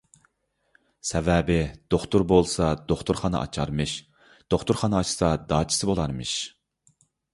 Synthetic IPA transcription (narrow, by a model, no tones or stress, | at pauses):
sɛvɛbɪd̪̥oχt̪uɾbolˠsɑd̪oχt̪ʰuɾχɑnɨ̰ʔɑ̰t͡ʃʰɑɾmɨʃ | d̪̥oχt̪uɾχɑnɨɑt͡ʃʰi̥sɑd̪ɑːt͡ʃʰi̥sɨbolˠɑɾmɨʃ